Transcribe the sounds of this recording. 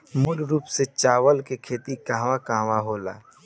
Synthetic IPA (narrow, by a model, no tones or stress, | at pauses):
mʊlɾuːpset͡ʃaːʋəlkekʰeːt̪ikãːʋakãːʋaɦoːla̰ː